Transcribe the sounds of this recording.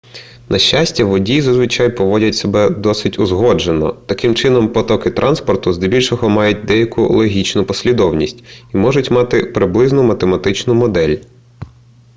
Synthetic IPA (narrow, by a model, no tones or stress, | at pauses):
nʔɐʃːasʲtʲɐʋɔdʲizɐzʋɪt͡ʃɑjpɔʋɔdʲɐtʲsebɛd̪ɔsɪtʲʊzɦɔd͡ʒenɔ̰t̪ɐkɪmt͡ʃɪnɔmpɔt̪ɔkɪt̪ɾʔɑnspɔrt̪ʊzd̪ɪbʲilʲʃɔɦɔmɑjʊt̚ʲd̪ɛjɐkʊ̰lˠɔɦʲit͡ʃnʊpɔsʲlʲid̪ɔwnʲisʲtʲimɔʒʊtʲmɑt̪ɪpɾɪblˠɪznʊmɐt̪emɐt̪ɪt͡ʃnʊmɔd̪ɛlʲ